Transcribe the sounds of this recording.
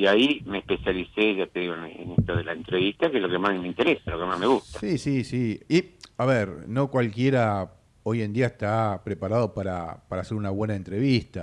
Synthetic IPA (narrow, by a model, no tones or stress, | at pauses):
iaimeːhpesjaliseʒat̪eðiɣoenḛneht̪oðelaent̪ɾeβist̪akelokemasmeint̪eɾesalokemazmeɣustsḁsisisiiaβeɾno̞kwalkjeɾa | o̞jend̪iaest̪apɾepaɾaðo̞paɾa̰paɾaːse̞ɾunaβwe̞naent̪ɾe̞βist̪a